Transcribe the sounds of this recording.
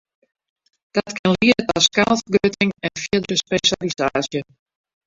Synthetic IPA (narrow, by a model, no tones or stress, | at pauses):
d̥ɔtkʰɪnliətɔskalfɡrøtʰɪŋɛnfiədɾəspeʃalisaːsjə